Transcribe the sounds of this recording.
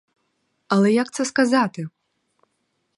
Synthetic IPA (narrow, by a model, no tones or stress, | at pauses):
ɐlˠɛjakt̪sɐskazat̪ɨ